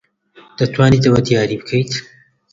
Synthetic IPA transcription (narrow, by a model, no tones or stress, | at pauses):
d̪̥ɐt̪ʰwaːnit̪ɐwɐd̪jaːɾiːbɨkʰɐjt̪